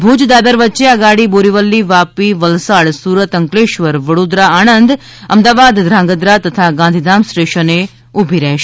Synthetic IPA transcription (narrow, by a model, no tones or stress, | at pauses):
bʱud͡ʒd̪abəɾʋətːʃeəɡaɽiboɾiʋəlːiʋapiʋəlsaɽsuɾət̪əŋkleʃʋəɾʋəɽod̪ɾaaɽ̃ənd̪ | ə̰md̪aʋad̪ːɾãŋɡəd̪ɾat̪ət̪ʰaɡãnd̪ʱid̪amsʈeʃəne | ubʱiɾɛɦʃe